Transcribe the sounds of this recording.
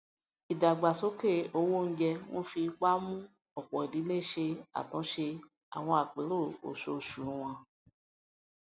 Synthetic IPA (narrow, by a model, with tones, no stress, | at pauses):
i˨da˨ɡ͡ba˨so˨˦ke˦˨o˧wo˦n̩˦d͡ʒɛ˧w̃ɔ̰̃˦fi˧˦k͡pa˦mũ˦ | ɔ˨k͡pɔ˨i˨di˨˦le˦˨ʃe˧a̰˨tɔ̃˨˦ʃe˧ | a̰˨w̃ɔ̃˧a˨k͡pe˨˦ɾo˦˨o̰˨ʃo˧˨ʃu˨˦w̃ɔ̃˧